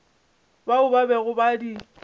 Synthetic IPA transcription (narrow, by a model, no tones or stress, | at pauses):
baʊbabɛɣʊbadi